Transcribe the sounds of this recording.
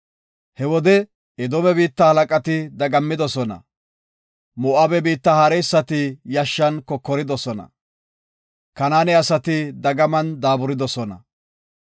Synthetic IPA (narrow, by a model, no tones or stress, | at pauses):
hɛwɔd̪ɛ | ɛd̪ɔmɛbiːt̪ːɐhɐlɐkʼɐt̪ɪd̪ɐɡɐmːɪd̪ɔsɔnɐ̰ | mʊʔabɛbiːt̪ːɐhɐɾɛjsːɐt̪ɪjɐʃːɐnkɔkːɔɾɪd̪ɔsɔnɐ̰ | kɐnaːnɛɐsɐt̪ɪd̪ɐɡɐmɐnd̪aːbʊɾɪd̪ɔsɔnɐ̰